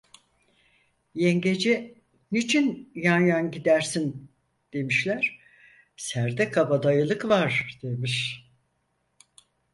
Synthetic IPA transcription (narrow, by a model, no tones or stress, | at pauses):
jeŋɟed͡ʒɛ | nit͡ʃʰinjanjanɟid̪æɾsin | d̪̥e̞miʃlʲæɾ̥ | sæɾd̪ɛkʰabad̪ajɯlˠɯkvaɾd̪̥e̞miʃ